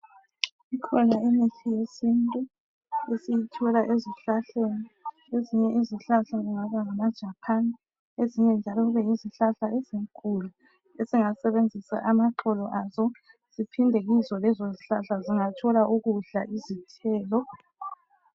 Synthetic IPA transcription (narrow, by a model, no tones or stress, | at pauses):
ikʰɔnaimiɬijesintʼu | esijitʰɔlaʔeziɬaɬeni | eziɲɛʔiziɬaɬaziŋaβaŋamad̥ʒ̥ʱapʰan | eziɲɛnd͡ʒʱalɔɣuβɛiziɬaɬaeziŋkʰʼulu | esiŋasɛβend͡zʱisa̰ʔamaǁʰɔlɔʔazɔ | z̥ipʰindʱeɣizɔlɛzɔziɬaɬaziŋatʰɔlaʔuɣuɮaʔizitʰɛːlɔ